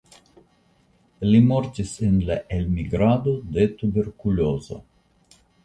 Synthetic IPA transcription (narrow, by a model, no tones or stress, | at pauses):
limoɾt̪isenlaʔelmiɡɾad̪od̪et̪ubeɾkulozo̰